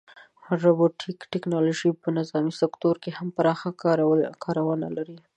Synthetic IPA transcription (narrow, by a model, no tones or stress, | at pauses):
ɾaboʈikʈɪknɑloʒipənɪzɑmisɪkt̪oɾkehampaɾɑxakʰɑɾawəna̰laɾi